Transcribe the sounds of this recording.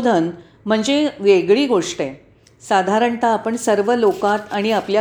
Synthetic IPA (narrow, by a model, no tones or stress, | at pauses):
d̪ʱən | m̤əɳd͡zeʋeɡɭiːɡoʂʈe | sad̪ʱaɾəɳt̪aːpəɳsəɾʋəlokat̪aɽ̃iaplja